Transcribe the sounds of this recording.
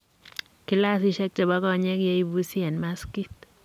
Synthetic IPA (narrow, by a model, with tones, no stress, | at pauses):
kɪ˦la˦sɪ˦ʃɛ˦k̚t͡ʃa˨ba˦kɔ˦ɲɛ˦kjɛ˦i˦bu˦si˦ɛ˨nma˦ski˦t̪̚